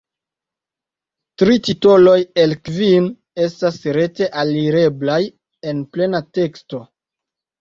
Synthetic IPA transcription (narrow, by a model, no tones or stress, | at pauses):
tɾitito̞lo̞jelkvin | e̞stasɾe̞te̞ʔaliɾe̞blaj | e̞nple̞nate̞ksto̞